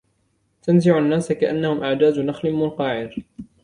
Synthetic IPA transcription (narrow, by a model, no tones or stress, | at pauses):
t̪anzɪʕanːaːsakaʔanːahʊmʔaʕd̪aːd̪naxlɪnmʊnqɑːʕɪɾ